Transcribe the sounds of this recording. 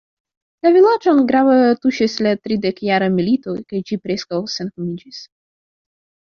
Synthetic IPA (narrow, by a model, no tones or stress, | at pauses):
lavʲilad͡ʒonɡɾavat̪uʃislat̪ɾid̪ekjaɾamilit̪ojkajd͡ʒipɾeskawsenkomid͡ʒis